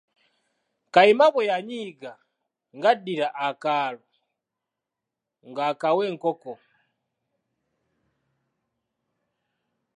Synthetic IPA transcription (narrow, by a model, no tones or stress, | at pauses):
kaimaβojaɲiːɡa | ŋɡadiɾaʔakaːlo | ŋɡakaweːŋkoko